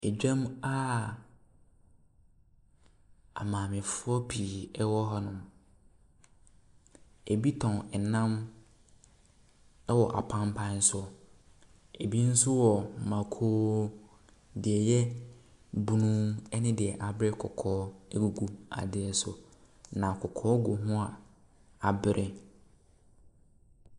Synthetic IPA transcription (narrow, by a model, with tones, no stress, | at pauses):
ɛ˨d͡ʑᶣã˦ma˦ | a̰˨mãː˨mɪ̃˨fʊ˦ɔ˦pʰi˨ɛ˦wɔ˦ɦɔ˦nʊ̃˨m | e˨bi˦tʰɔ̃˨nɛ˨nã˦m | ɛ˦wɔ˨ʔa˨pʰã˦mpʰã˦n̩˦sʊ˦ɔ˨ | e˨bi˦n̩˦sʊ˦wɔ˨mã˨kʰoː˦ | dɪ˨ɛ˨jɛ˦ | bu˨nũ˦ŋɛ˦nɪ̃˦dɪ˨ɛ˨ʔa˨bɪ˦ɾɪ˦kʰɔ̰˨kʰɔː˦ɛ˦ɡu˨ɡu˦a̰˨dɪ˨ɛ˨sʊ˨ | nã˨kʰɔ˨kʰɔː˦ɡʊ˨ɦʊ̃˦a˨ | a˨bɪ˦ɾʔɪ˦